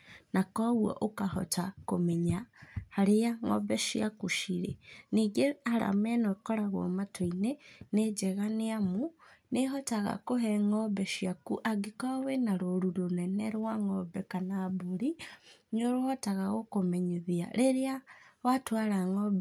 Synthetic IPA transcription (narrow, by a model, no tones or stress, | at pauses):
nakɔwwɔ̰ʔokahɔ̰tako̰mɛɲahaɾejaŋɔ̰bɛʃjiakuʃiɾeniɡeaɾa̰manokɔɾaɣwɔ̰matʰoinened͡ʒɛɣaneamuneɦɔtaɣa̰koɦɛŋɔbɛʃiakuʔaɡikɔwenaɾoɾuɾonɛnɛɾwaŋɔbɛkanaboɾiɲoɾohɔtaɣaɣokomɛɲeðia̰ɾeɾeawatwaɾaŋɔb